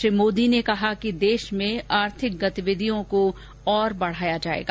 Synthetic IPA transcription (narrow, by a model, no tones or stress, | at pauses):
ɪmoːd̪inekɐɦakid̪eːʃmẽaːɾt̪ʰɪk̚ɡɐt̪iʋɪd̪ʱijõko | ɔːɾbɐɽ̤aːjad͡ʒaːḛːɡa